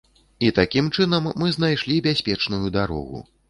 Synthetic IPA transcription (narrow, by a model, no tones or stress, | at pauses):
it̪akʲimt͡ʂɨnɐmːɨznajʂlʲibʲasʲpʲɛt͡ʂnujud̪aɾɔ̰ɣṵ